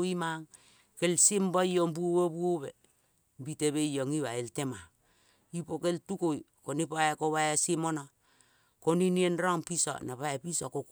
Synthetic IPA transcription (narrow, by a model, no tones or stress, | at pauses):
imaŋ | kelsimbaioŋbuowobuoβe | mbiteβeijoŋiβaeltema | ipokeltukojkonipaekoβaasimono | koninienɾaŋpiso̰napaepisokok